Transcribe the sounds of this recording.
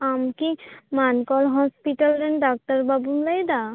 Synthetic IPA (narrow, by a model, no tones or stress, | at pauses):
amkimankɔlɦɔspiʈalɾɛnɖak̚ʈaɾbabumlajd̪a